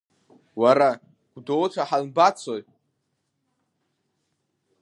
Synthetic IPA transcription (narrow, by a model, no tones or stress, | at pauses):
waɾa | ɡ̥ʷdowt͡ʃʰaħalbat͡sʰoj